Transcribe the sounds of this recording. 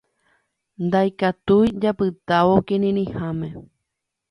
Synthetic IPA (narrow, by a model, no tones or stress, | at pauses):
nd̪ajkat̪ujd͡ʒapɨt̪aʋokinĩnĩhãmẽ̞